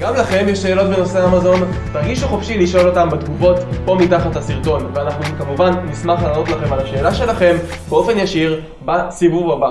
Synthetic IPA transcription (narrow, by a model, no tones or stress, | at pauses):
ɡamlaχe̞mjeʃe̞ːlo̞tbeno̞se̞amazo̞n | taʁɡiʃuχofʃiliʃo̞lo̞tambetɡuvo̞tpo̞mitaχathasiʁto̞nveanaχnukamuvanːismaχlaːnotlaχe̞malaʃe̞ːlaʃe̞laχe̞mbeo̞fe̞njaʃiʁ | basivuvaba